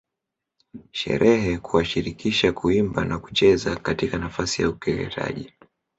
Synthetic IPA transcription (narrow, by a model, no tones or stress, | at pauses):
ʃɛ̰ɾʔɛɦɛkuwaʃiɾikiʃakuimbanaku̥t͡ʃɛzakatikanafasijaukɛlɛ̰tʰa̰ʄi